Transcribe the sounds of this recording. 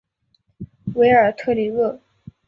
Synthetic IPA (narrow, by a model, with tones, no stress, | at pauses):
we˧˥ɪə˞˨˩t̪ʰɤ˥˩li˧˩ɤ˥˩